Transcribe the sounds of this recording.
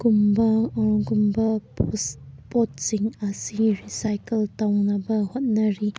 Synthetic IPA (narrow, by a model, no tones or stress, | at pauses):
ɡumbɐɡumbɐpuspot̚siŋɐsiɾisajkeltawnɐbɐhot̚nɐɾi